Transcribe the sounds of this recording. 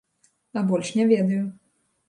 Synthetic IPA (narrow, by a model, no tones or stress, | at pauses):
ɐbɔlʲʂnʲɛvʲɛd̪ɐju